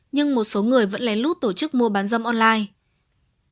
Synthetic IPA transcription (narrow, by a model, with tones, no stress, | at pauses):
ɲɨ˧ŋmo˨˩t̚so˨˦ŋɨ˨˩əjvə̰˧˥nla˨˩˦lu˦˥t̚t̪o˧˩t͡ɕɨ˦˥k̚mu˧əɓaː˨˦nzə˧mʔɔ˧nlaː˧j